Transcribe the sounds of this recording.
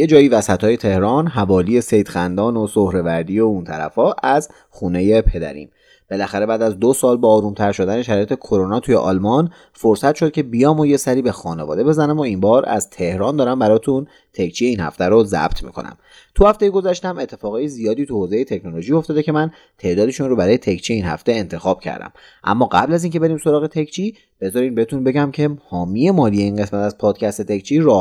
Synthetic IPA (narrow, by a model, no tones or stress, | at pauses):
je̞d͡ʒɒːiːvæsæt̪ʰɒːje̞t̪ʰe̞hɾɒnɦævɒːliːe̞sejd̪̥xænd̪ɒːnosohɾe̞væɾd̪iount̪ʰæ̰ɾæ̰fɒːʔæz | xune̞je̞pʰe̞d̪æ̰ɾḭːm | b̥e̞læxæɾe̞bæːd̪æzd̪osɒːlbɒːɾuːmt̪ʰæɾʃo̞d̪æneʃæɾɒːjet̪ʰe̞kʰoɾo̞nɒːt̪ʰujeʔɒ̰ːlmɒn | foɾsæt̪ʃo̞d̪̥̚cʰe̞bijɒːmoje̞sæɾiːbexɒːne̞vɒ̰ːd̪ebe̞zænæmoimbɒːɾæ̰z̥t̪ʰe̞hɾɒːnd̪ɒːɾæmbæɾɒːt̪ʰun | t̪ʰe̞kʰt͡ʃʰiːje̞iːnhæ̰ft̪æɾozæ̰b̥t̪ʰmḭkʰo̞̰næ̰m | t̪ʰuhæft̪e̞jeɡo̞zæʃt̪æme̞t̪ʰːe̞fɒːɣɒːjezijɒːd̪iːt̪ʰuhoze̞jet̪ʰe̞kʰnolo̞ʒioft̪ɒːd̪ecʰe̞mæn | t̪ʰe̞ʔd̪ɒːd̪e̞ʃunrobæɾɒːje̞t̪ʰecʰt͡ʃʰijeinhæ̰ft̪e̞ent̪ʰe̞xɒːb̥̚cʰæ̰ɾd̪æ̰m | ʔæ̰mːɒːɢæ̰blæziːŋcʰe̞be̞ɾiːmso̞ɾɒːɣet̪ʰekʰt͡ʃʰiː | b̥e̞zɒɾiːmbehet̪ʰunbe̞ɟæmcʰe̞hɒːmije̞mɒːlije̞inɢe̞smæt̪æzpʰɒːd̪̥̚cʰæst̪e̞t̪ʰekt͡ʃʰiɾɒː